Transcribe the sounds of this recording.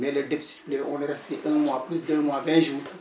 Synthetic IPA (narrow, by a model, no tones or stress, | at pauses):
mɛlɛdefi̥si̥tpleɔ̃lɛɾɛsteʔɛ̃mwaplysd̪ømwavɛ̃ʒuː